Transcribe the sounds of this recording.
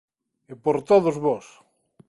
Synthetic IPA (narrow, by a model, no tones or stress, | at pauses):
epoɾt̪oðozβɔs